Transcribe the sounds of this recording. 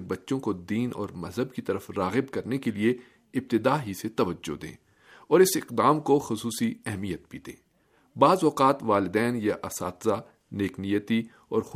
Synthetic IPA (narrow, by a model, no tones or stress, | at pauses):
bɐtːʃõkod̪iːnɔ̰ːɾmɐzɦəbkit̪ɐɾəfɾaːɣɪbkɐɾnekelie | ɪb̚t̪ɪd̪aːɦiset̪ɐʋəd͡ʒːo̰d̪ḛ̃ː | ɔːɾɪsɪqd̪aːmkoxʊsuːsiɛɦmijət̪̚piːt̪ḛ̃ː | baːzɔːqaːt̪ʋaːlɪd̪ɛːnjaʔɐsa̰ːt̪za | neːknijət̪i | ɔːɾx